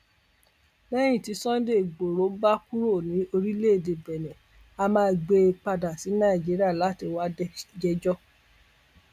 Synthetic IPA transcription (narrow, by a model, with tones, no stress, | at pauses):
lɛ˦j̃ĩ˦˨ti˨˧˦sɔ̃˦de˦˨ɡ͡bo˨ɾo˨˦ba˦ku˦ɾo˦˨nĩ˨˦o˧ɾi˦le˦e˨de˨bɛ˨nɛ̃˨ | a˧mãː˦ɡ͡be˧k͡pa˧da˨si˨˦nã˦i˨d͡ʒi˨˦ɾi˦a˦˨la˨˦ti˧wa˦d͡ʒɛ˧d͡ʒɔ˦